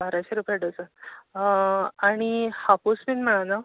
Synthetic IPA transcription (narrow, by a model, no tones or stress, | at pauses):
bʱaɾaɕeɾupeɽət͡sə | aɽ̃ihapusminm̤əɽ̃ana